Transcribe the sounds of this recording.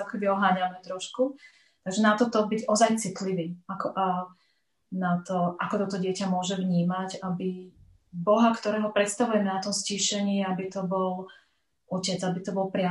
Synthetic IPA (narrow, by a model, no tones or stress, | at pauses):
kɔkɛb̪iɔɦaːɲanɛt̪ɾɔʃku | t̪aɡʒɛnat̪ɔt̪ɔbiɟɔzajt͡sit̪liʋiːakɔʔa | nat̪ɔʔakɔt̪ɔt̪ɔɟɪɛcamʊɔʒɛvɲiːmacabi | bɔɦakt̪ɔɾɛːɦɔpɾɛt̪st̪aʋujɛmɛnat̪ɔmsciʃɛɲiabit̪ɔbɔl | ʔucɛd͡zabit̪ɔbɔlpɾɪa